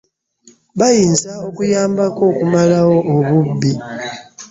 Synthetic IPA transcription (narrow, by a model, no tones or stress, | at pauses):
βajiːnzaokujaːmbako̞ːkumalawoːβubːi